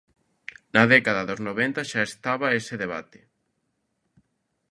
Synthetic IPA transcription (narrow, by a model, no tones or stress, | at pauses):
nɐðɛkaðaðoznoβent̪aʃaest̪aβaeseðeβa̰t̪e̥